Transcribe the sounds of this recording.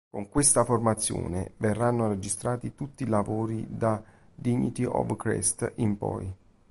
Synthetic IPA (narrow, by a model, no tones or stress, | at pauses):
koŋkwest̪aformat̪sːjo̰ːnḛverːanːored͡ʒist̪ɾaːt̪it̪ut̪ːilavoːɾid̪a | d̪iɲːḭt̪iɔ̰vkɾɛ̰st̪impɔ̰j